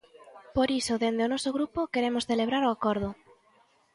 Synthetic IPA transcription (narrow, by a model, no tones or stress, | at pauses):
poɾisoðend̪eonɔsoɣ̞ɾupokeɾemosθeleβ̞ɾaɾoakoɾð̞ʊ